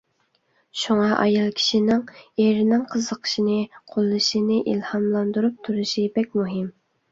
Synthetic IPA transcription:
ʃuŋɑʔɑ̰jɑlˠkʲʰi̥ʃinɪŋeɾɪnɪŋqʰəzəqʰə̥ʃinɨqʰolˠːɨʃinɨʔilhɑmlˠɑnd̪uɾup̚t̪ʰuɾɨʃibɛk̚ʲmuɦɪm

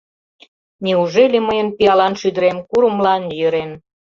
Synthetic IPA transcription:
neuʒeleməjənpiɑlɑnʃyd̪əɾemkuɾəmlɑnjøɾen

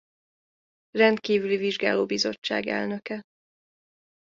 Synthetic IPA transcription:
rɛnt̪kiːvyliviʒɡa̰ːloːbizo̞̰t͡ʃːa̰ːɡɛ̰lnøkɛ

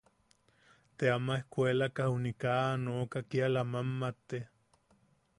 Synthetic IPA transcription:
t̪eamaehkʷelakaunikaːnoːkakialamamːat̪e

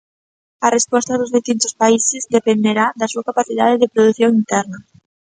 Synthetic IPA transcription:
ɐrespɔst̪ɐðʊzðist̪int̪ʊspaisɪzd̪epend̪eɾaðɐsuakapaθiðaðɪðɪpɾoðuθjoŋint̪ɛɾnɐ

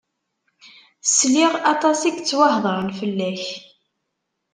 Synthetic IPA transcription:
sliʁɑt̪ˤɑsiɡt͡sːwɑhðˤəɾˤnfəlːæç

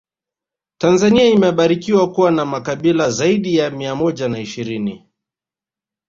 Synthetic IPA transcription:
tanzaniaimɛɓaɾikiwakuwanamakaɓilazaiɗijamiamɔʄanaiʃiɾini

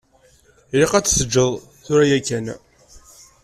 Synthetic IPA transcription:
ɾiqæt͡sːsəd͡ʒːəðˤ | θʊɾæjækːæn

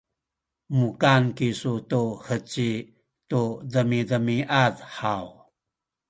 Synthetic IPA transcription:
mukankisutuhət͡ɕi | tuðəmidəmiʔaðħaw

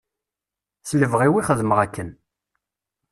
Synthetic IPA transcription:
θləvʁiwiχəðməʁækːən

